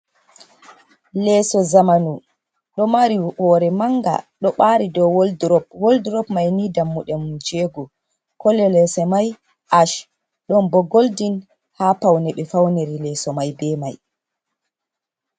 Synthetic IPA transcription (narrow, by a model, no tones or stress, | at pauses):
lɛːsɔzamanu | ɗɔmaɾihɔːɾɛmaŋɡa̰ɗɔɓaːɾidɔwoldɾɔp̚wolduɾɔpmajnidamːuɗɛmd͡ʒeːɡu | kɔlɛlɛsɛmaj | ʔaʃ | ɗɔnbɔɡoldin | haːpawnɛɓɛfawneɾilɛːsɔmajbɛːmaj